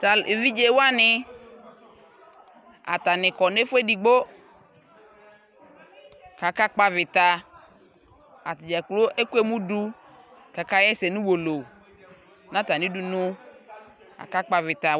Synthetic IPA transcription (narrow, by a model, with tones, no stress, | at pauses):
t̪a˨le˨vi˦d͡ʒe˦wo˦a˦nɪ˦ | a̰˨t̪a˨nɪ̃˨kɔ˨ne˦fʊ˦e˦di˨ɡ͡bo˦ | ka˨ka˦k͡pa˦vɪ˨t̪a˨ | a˨td͡ʒa˨klo˦ʔe˦ku˦e˦mũ˦du˦ | ka˨ka˦jɛ˦se˨nũ˦wo˨lo˨ | nã˦t̪a˨nĩ˨˦du˨nʊ̃˦ | a̰˨ka˦k͡pa˨vɪ˨t̪a˨